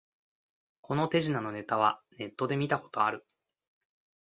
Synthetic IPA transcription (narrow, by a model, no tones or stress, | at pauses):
kʰo̞not̪e̞ʑinano̞ne̞t̪aβ̞ane̞t̪ːo̞d̪e̞mʲit̪ako̞̥t̪o̞aɾɯ̟